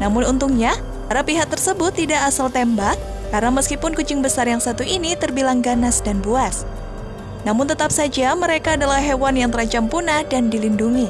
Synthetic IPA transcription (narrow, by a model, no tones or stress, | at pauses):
namʊnunt̪uŋɲa | paɾapiɦak̚t̪ərsəbʊt̪ːidaʔːsalt̪ɛmbakː | aɾənaməskipʊnkud͡ʒɪŋbəsarjaŋsat̪uinit̪ərbilaŋɡanasdanbuas | namʊnt̪ət̪ap̚sad͡ʒaməɾekaːdalahɦewanjaŋt̪əɾaɲt͡ʃampunadandilinduŋi